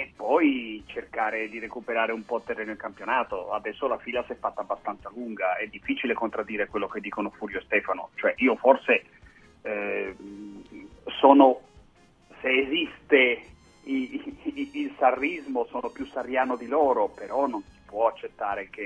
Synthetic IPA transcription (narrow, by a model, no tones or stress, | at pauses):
epːɔjt͡ʃerkaːɾed̪iɾekupeɾaːɾeumpɔt̪ːerːɛːnoilkampjonaːt̪o̰a̰d̪ɛsːolafiːlasiɛfːat̪ːaːbːast̪ant̪saluŋɡaɛd̪ːifːiːt͡ʃilekont̪ɾad̪ːiːɾekwelːoked̪ːiːkonofuːɾjost̪ɛːfano̰t͡ʃoɛʔiːoforse | soːno | seːzist̪e | ilsarːizmosoːnopjusarːjaːnod̪iloːɾopeɾɔnːonsi̥pwɔat͡ʃːet̪ːaːɾek̟e